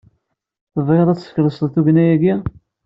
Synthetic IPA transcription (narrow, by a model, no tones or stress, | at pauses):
θəvʁeðˤæt͡sːə̥çləsðˤθuʝnæjæɡi